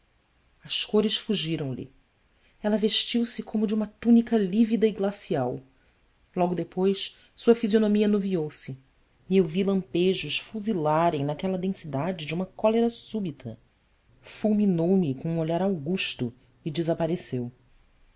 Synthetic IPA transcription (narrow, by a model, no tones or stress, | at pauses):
ɐskoɾɪʃfuʒiɾɐ̃w̃lɪ̰ | ɛlɐveʃt͡ʃiwsɪkʰõmʊd͡ʒɪũmɐt̪unikɐlivid̪ɐiɡlasiaw | lɔɡʊd̪epojʃ | suɐfizionõmiɐnoviowsɪ | ewvilɐ̃mpeʒʊʃfuzilaɾẽj̃nakɛlɐd̪ẽsid̪ad͡ʒɪd͡ʒũmɐkɔleɾɐsubit̪ʰɐ̰ | fuwminowmɪkõũoʎaɾawɡuʃt̪ʊ | id͡ʒɪzapaɾesew